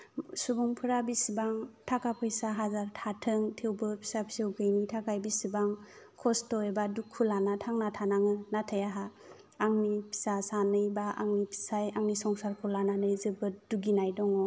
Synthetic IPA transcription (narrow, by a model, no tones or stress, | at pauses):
subuŋpʰɯɾabisibaŋtʰakapʰɯjsaɦazaɾtʰatʰɯŋtʰewbɯpʰi̥sapʰi̥sɯwɡɯjnitʰakajbisibaŋ | kʰɔstɔebadukʰːulanatʰaŋnatʰanaŋɯnatʰajaɦaː | ŋnipʰi̥sasanɯjbaʔa̰ŋnipʰi̥sajaŋnisɔŋsaɾkʰulananɯjzɯbɯduɡinajdɔŋɔ